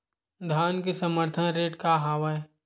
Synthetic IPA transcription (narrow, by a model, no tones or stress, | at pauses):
d̪ʱaːnkesəməɾt̪ʰənɾeːʈkaɦaːʋə